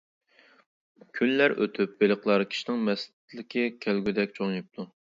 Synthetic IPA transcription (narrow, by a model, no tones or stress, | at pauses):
kʲʰylːæɾø̰t̪ʰyp̚belˠəqlˠɑɾkʲʰi̥ʃinɪŋmɛst̪t̪ʰlɪkʲʰikʲʰælɡʲyd̪ɛkʲt͡ʃʰoŋip̚t̪ʰu